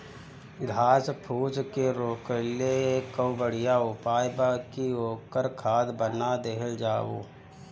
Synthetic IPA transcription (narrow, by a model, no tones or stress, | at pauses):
ɡʱaːspʰuːd͡ʒkeɾoːkəleeːkːəʊbəɽ̤ijaʊpaːjbakioːkəɾkʰaːd̪bənad̪eɦəld͡ʒaːwo̰ː